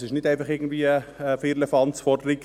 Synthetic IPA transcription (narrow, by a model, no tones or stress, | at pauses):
sɪʃnɪdæɪnfɑχɪɡn̩d̥viːəəfeːɾləfɑntsfɔɾdəɾiɡ̥